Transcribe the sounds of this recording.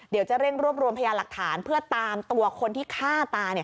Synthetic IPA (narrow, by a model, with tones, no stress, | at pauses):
di˨˩˦wt͡ɕa˨˩ɾe˥˩ŋɾu˥˩əp̚ɾu˧əmpʰa˧jaː˧la˨˩k̚t̪ʰaː˩˦npʰɯ˥˩ɐt̪aː˧mt̪u˧ɐkʰo˧nt̪ʰiː˥˩kʰaː˥˩t̪aː˧ni˥˩ə